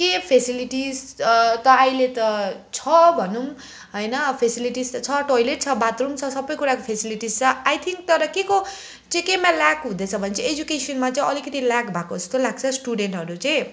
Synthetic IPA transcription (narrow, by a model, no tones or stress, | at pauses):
kepʰesiliʈiz | t̪ʌajlet̪ʌt͡sʰʌbʱʌnum | ɦʌjnʌpʰesiliʈist̪ʌt͡sʰʌʈojleʈ̚t͡sʰʌbat̪rumt͡sʰʌsʌbːʌjkuɾakopʰesiliʈizt͡sʰʌajt̪ʰiŋk̚t̪ʌɾʌkeko | t͡sʌ̃ĩkemalakɦũd̪et͡sʰʌbʱʌnet͡sʌ̃ed͡zukesʌnmat͡sʌj̃ʌlikʌt̪ilakbʱakoʌst̪olaɡ̚t͡sʰʌsʈuɽeɳʈɦʌɾut͡sʌ̃j̃